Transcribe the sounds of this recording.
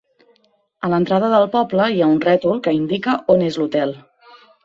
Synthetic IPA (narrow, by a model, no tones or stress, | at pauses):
ələnt̪ɾað̞əðəlˠpɔbləiaunrɛt̪ulˠkəind̪ikəʔonezlut̪ɛlˠ